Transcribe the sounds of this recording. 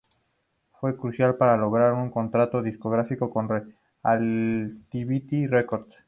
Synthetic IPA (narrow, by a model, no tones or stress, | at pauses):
fwe̞kɾusjalpaɾalo̞ɣɾaɾuŋko̞nt̪ɾat̪o̞ðisko̞ɣ̞ɾafiko̞ko̞nre | alt̪iβit̪irekoɾd̪s